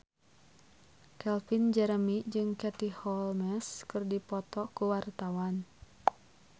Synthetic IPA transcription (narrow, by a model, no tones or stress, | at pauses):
kɛlfind͡ʒɛɾəmid͡ʒɨŋkɛt̪ihɔlmɛskɨrdipɔt̪ɔkuwart̪awan